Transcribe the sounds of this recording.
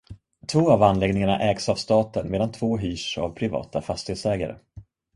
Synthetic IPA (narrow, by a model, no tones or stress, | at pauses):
t̪ʰvoːavanlɛːɡnɪŋaɳa̰ʔɛːɡsavst̪ɑːt̪ənmeːd̪ant̪ʰvoːɦyːʂa̰vpʰɾɪvɑ̰ːt̪afast̪ɪheːt̪sɛːɡa̰ɾə̰